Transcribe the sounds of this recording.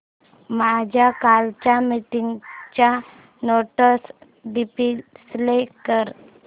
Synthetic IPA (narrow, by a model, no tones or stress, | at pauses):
mad͡ʑʱjakalt͡ɕamiʈiŋɡt͡ɕja | noʈəs | ɖipislekəɾ